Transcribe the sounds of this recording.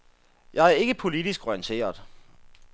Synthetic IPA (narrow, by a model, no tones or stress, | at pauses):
jɑ̈ɪæɐe̝ɡ̥əpʰo̝lid̥isɡ̥ɔiənt͡sʰe̝̰ːɐðˠ